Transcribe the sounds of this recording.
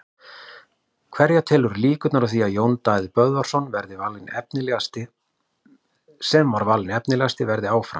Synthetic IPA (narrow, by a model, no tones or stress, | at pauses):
kʰv̥ɛɾjat̪ʰɛːlʏɾliːkʏt̪naɾawθiajoːwnt̪ajðpœðvḁsɔnvɛɾðɪvalːɪnɛp̚nɪlɛst̪ɪ | sɛmvaɾvalːɪnɛpnɪlɛːast̪ɪvɛɾðɪaːwfɾa̰